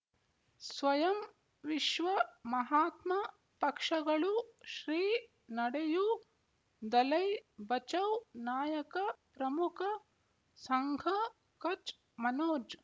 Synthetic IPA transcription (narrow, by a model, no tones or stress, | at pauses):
sʋɐjɐm | ʋiʃʋɐmɐɦaːt̪mɐ | pɐkʂɐɡɐɭuʃɾiː | nɐɽeju | d̪ɐlɐjbɐt͡ʃɐwnaːjɐkɐpɾɐmukʰɐ | sɐŋɡʱɐ | kɐt͡ʃ | mɐnoːd͡ʒ